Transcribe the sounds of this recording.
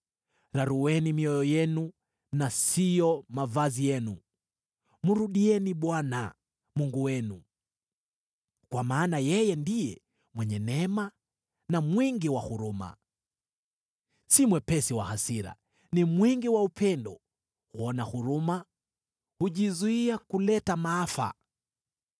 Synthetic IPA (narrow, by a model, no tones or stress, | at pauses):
ɾaɾuwɛnimiɔjɔjɛnu | nasijɔmavazijɛnu | muɾuɗiɛniɓwana̰ | muŋɡuwɛnu | kwamaːnajɛjɛndijɛ | mwɛɲɛnɛma | namwiŋɡiwahuɾuma̰ | simwɛpɛsiwa̰hasiɾa̰ | nimwiŋɡiwaupʰɛndɔ | huɔnahuɾuma | huʄizuiakulɛtamaafa̰